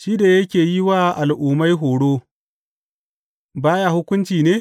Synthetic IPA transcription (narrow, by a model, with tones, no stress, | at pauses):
ʃiː˦da˨jɐ˦kʲeː˨ji˦waː˦ʔa˨lʔuː˨ma˦jɦoː˨ɽoː˦ | baː˦ja˦hʊ˦kʷʊ˦nt͡ʃiː˨neː˦